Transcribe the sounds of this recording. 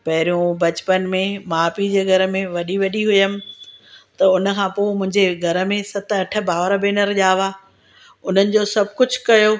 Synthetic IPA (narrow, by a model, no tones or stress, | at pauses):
pɐɦɪɾijũbɐt͡ɕpənmẽmaːpid͡ʑeːɡʱɐɾə̆mẽʋɐɗiʋɐɗiɦʊjəmɪ̆t̪ɐʊnə̆kʰãːpoːmʊ̃ɦɪ̃ɲd͡ʑeɡʱɐɾə̆mẽsɐt̪ʰɐʈʰə̆baːʋɾbeːnəɾʄaːʋaː | ʊn̤ənɪ̆d͡ʑoːsɐb̚ʱkʊd͡ʑʱkɐjoː